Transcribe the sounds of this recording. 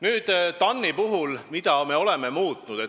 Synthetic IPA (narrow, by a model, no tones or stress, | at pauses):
nyːd̪̥t̪ɑnːipuɦulmid̪̥ɑme̞o̞le̞me̞muːt̪nud̥̪e